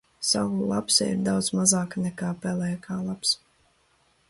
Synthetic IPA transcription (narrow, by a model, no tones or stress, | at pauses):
sa̰vulˠapsɛ̰ḭɾd̪awd̪zmazaːknɛkaːpɛlɛjkʰaːlˠaps